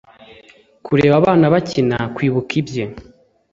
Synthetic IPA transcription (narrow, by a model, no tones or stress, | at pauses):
kʰuɾe̞ːβaβaːnaβacina̰kwiːβukʰibje